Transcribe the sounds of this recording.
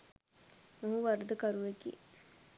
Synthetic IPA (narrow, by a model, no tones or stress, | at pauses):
moɦuʋaɾd̪əkaɾuʋekḭː